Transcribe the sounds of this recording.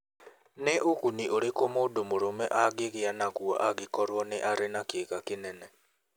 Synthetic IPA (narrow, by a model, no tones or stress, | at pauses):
neʔoɣuniʔoɾekomoːdomoɾomɛʔaɣeɣeanaɣwɔ̰ʔaɣikɔɾwɔneʔaɾenakeːɣakenɛnɛ